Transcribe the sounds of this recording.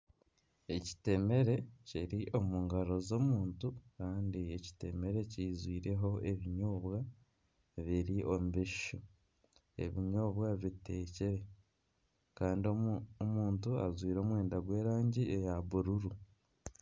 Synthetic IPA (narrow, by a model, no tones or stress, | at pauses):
e̞ci̥te̞me̞ɾe̞ciɾiʔo̞muːŋɡaɾo̞zo̞ːmuːntukaːndieci̥te̞me̞ɾe̞cizwiːɾe̞ɦo̞e̞βiɲoːβwa | βiɾiʔo̞muβiʃu | e̞̰βiɲoːβwaβite̞ːceɾe̞ | kaːndiomuːntuazwiːɾo̞ːmwe̞ːndaɡwe̞ːɾaːɲɟiejaβuɾuɾu